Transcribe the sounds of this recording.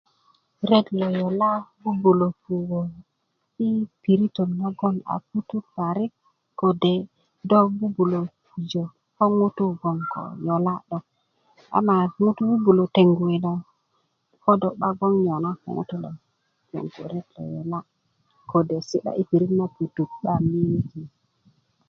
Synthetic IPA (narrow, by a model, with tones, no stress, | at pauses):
ɾe˦tlo˨jo˨la˦bu˦bu˨lo˨pu˨ɡo˨ | i˦pi˨ɾi˦to˨na˦ɡo˦na̰˨pu˦tu˦pa˨ɾi˦k | ko˨de˨ | do˦bu˦bu˨lo˨pu˨d͡ʒo˨ | ko˦ŋu˦tu˦ɡo˨ŋko̰˨jo˨la˦ɗo˨k | a̰˨˦ma˨ŋu˦tu˦bu˦bu˨lo˨te˨ŋɡu˨i˨do˨ | ko˦do˨kɓa˦ɡo˦ŋɲo˨na˦ko̰˨ŋṵ˦tu˦lo̰˨ | jḛ˨ŋkṵ˨ɾe˦tlo̰˨jo˨la˦ | kʰo˨de˨si˦ɗa̰˦ʔi˦pi˨ɾi˦tma˦pu˨tu˨k̚ɓa˦mi˦ɡi˨